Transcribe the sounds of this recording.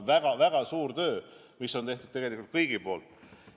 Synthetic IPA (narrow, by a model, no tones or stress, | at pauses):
væɡ̥ɑvæɡ̥ɑsuːrt̪ø̞ː | misːo̞nt̪eht̪ud̥̪̚t̪eɡe̞likˑult̪̚kɤjɡ̥ipo̞ːlt̪ːˑ